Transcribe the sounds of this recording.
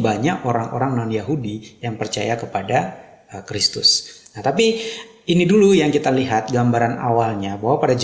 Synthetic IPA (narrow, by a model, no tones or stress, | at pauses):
baɲakoɾaŋo̰ɾaŋnɔnjaɦudijaŋpərt͡ʃa̰jakəpada | əkɾist̪ʊsnat̪api | inidulujaŋkit̪aliɦat̪̚ɡambaɾana̰walɲabaɦwapadad͡ʒ